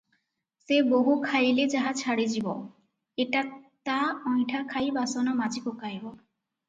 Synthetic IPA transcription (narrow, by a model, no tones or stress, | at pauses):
seboɦukʰajled͡ʑaɦat͡ɕʰaɽed͡ʑibɔ | eʈat̪aɔjʈʰakʰajbasonamad͡ʑikokajbɔ